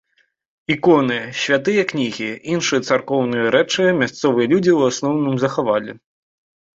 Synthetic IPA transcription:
ikɔnɨɕʲvʲat̪ɨjɐknʲiɣʲiinʂɨjɐt̪sarkɔwnɨjɐɾɛt͡ʂɨmʲast̪sɔvɨjɐlʲud͡zʲiwasnɔwnɨmzɐxavalʲɛ̰

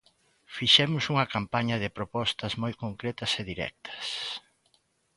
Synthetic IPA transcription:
fiʃɛmʊsuŋɐkampaɲɐðɪpɾopɔst̪ɐzmojkoŋkɾɛt̪ɐseðiɾɛ̰k̚t̪ʰɐ̥s

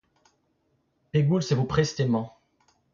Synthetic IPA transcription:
peɡulsevupχɛst̪emɑ̃

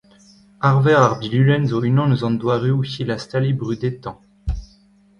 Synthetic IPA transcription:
aʁvɛʁaʁbilylɛnzoynɔ̃nəzɑ̃nd̪waʁyuçilast̪alibʁyd̪et̪ɑ̃

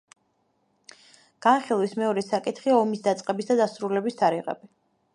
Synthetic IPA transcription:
ɡ̥anχilˠwismɛɔɾɛsakʼit̪ʰχiaɔmisd̪at̪sʼqʼɛbisd̪ad̪asɾulɛbist̪ʰaɾiʁɛ̰bi

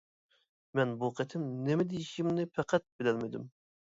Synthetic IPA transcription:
mɛnbuqʰet̪ʰɪmnemɛd̪ejiʃimnɪpʰɛqʰæt̪̚bɪlɛlmɪd̪ɪm

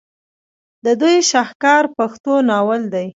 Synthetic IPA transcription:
d̪əd̪ujʃɑxkɑɾpaxt̪onɑwəld̪aj

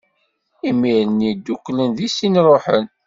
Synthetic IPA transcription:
imiɾənid̪ːukːlənðisinɾˤoħən

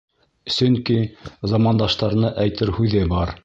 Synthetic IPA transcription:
sɵŋkizɑmɑnd̪ɑʃt̪ɑɾnɤʔæjt̪ɘɾhʉðɘbɑɾ

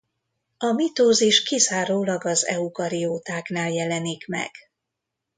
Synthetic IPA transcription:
ɒmit̪oːziʃkizaːɾoːlɒɡɒzɛ̰ukɒɾioːt̪aːknaːljɛlɛnikmɛ̰ɡ̥

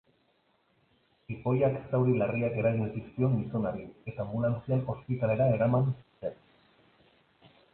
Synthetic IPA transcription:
ipo̞jaksawɾilariake̞ɾaɣiesiskio̞ŋɡiso̞naɾie̞t̪aːmbulant͡sialo̞spit̪ale̞ɾae̞ɾamansisen

